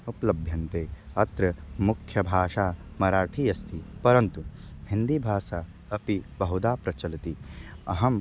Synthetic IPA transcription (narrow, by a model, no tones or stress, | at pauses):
uplɐbʱjɐnt̪eːɐt̪ɾɐmukʰjɐbʱaːʂaːmɐɾaːʈʰiːɐst̪ʰipɐɾɐnt̪uhĩnd̪ibʱaːsa | ɐpibɐɦud̪aːpɾɐt͡ʃɐlt̪iɐɦɐm